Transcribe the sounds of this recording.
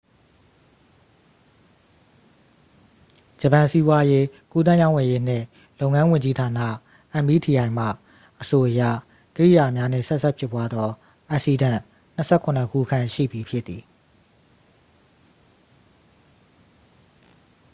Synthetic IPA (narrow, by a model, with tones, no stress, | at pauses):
d͡ʑə˨pã˨si˦bwa˦je˦ku˦t̪̬ã˦˨jã˦˨wɛ˨je˦n̥ɪ̰̃˦˨ | lõ˦ʊ̃ŋã˦wɪ̃˨ɲd͡ʑi˦tʰa˨na̰˦˨ | ʔã˨mbi˦˨tʰi˨jã˨ɪ̃m̥a̰˦˨ | ʔəso˨ʔəjä̰˦˨ | kəɹḭ˦˨ja˨mja˦n̥ɪ̰̃˦˨sɛ˦ʔsʰɛ˦˨pʰjɪ˦pːwa˦d̪ðɔ˦ | ʔa˨ʔsi˨dã˦˨ | n̥ə˨sʰɛ˦˨kʰʊ̃˨nə˨kʰṵ˦˨kʰã˦˨ʃḭ˦˨bi˨pʰjɪ˦t̪ːi˨